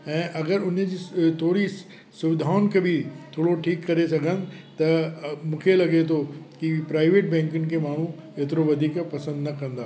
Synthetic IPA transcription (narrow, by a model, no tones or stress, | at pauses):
ɛ̃ːʔɐɡəɾʊnd͡ʑiːt̪ʰoːɾi | sʊʋɪd̪ʱaːʊnkʰebʱit̪ʰoːɽoʈʰiːkːɐɾesɐɡʱənɪ̆t̪ɐmũːkʰelɐɡet̪ʰokipɾaːɪʋeːʈ̚bɛ̃ːŋkʊnɪ̆kʰemaːɳ̤ũ | eːt̪ɪɾoʋɐd̪ʱiːkpɐsə̃nd̪nɐkɐ̃nd̪aː